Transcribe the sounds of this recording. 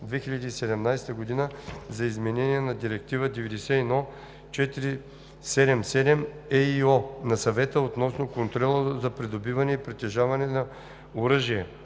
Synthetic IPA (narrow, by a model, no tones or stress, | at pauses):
d̪vɛxiʎʲɐd̪iːsɛd̪ɛmnajst̪əɡod̪inəzɐizmɛnɛniɛnɐd̪iɾɛk̚t̪ivəd̪ɛvɛd̪ɛsɛinɔ | t͡ʃɛt̪iɾi | sɛd̪ɛmsɛd̪ɛmɛiɔnɐsɐvɛt̪əot̪nɔsnokont̪ɾɔlˠəzɐpɾid̪obivɐnɛipɾit̪ɛʒavɐnɛnɐ | oɾɤʒiɛ